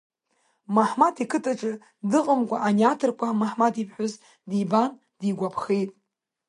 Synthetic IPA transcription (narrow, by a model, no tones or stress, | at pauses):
maħmatʰikʰɨtʼaʈ͡ʂʼɨ | dɨqʼəmkʷʼaʔaniatʰɨrkʷʰamaħmatʰipʰħʷᶣʊz | diban | d̥iɡʷapʰχejtʼ